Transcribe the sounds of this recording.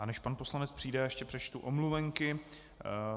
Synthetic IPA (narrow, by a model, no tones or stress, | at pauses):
anɛʃpanposlanɛt͡spr̥iːdɛɛʃcɛpr̥ɛt͡ʃt̪uʔomluvɛŋkɪ